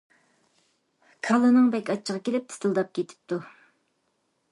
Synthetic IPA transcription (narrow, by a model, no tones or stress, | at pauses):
kʰɑlˠɨnɨŋbɛkʲɑt͡ʃʰːəʁɑkʲelɪp̚t̪ʰɪ̥st̪ʰɨlˠd̪ɑp̚kʲʰet̪ʰɪ̥p̚t̪u